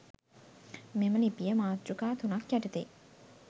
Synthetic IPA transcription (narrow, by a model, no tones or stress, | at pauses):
memaliːpiɛmat͡ɕukaːt̪ʰunacaʈ͡ʂʰit̪ḛʔ